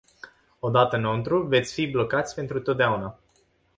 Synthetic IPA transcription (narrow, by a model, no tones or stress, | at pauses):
o̞d̪at̪ənont̪ɾuve̞t̪sʲfiblo̞kat̪sʲpe̞nt̪ɾut̪o̞t̪̚d̪eauna